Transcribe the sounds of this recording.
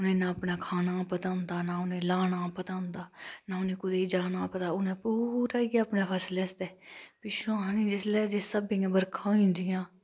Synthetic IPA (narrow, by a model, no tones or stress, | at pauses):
ʊnẽːnãːpnaːkʰaːnaːpət̪aːʊ̃nd̪aːnãːʊnẽːlaːnãːpət̪aːʊ̃nd̪aːnaːʊnẽːkʊd̪eiːd͡ʒaːnãːpət̪aːʊnẽːpuːɾaːiɡaəpneːpʰɛslɛːst̪ɛːpiʃãːnĩːd͡ʒɪslɛːd͡ʒeːsəbĩːãːbəɾkʰãːĩːnd̪ɪjãː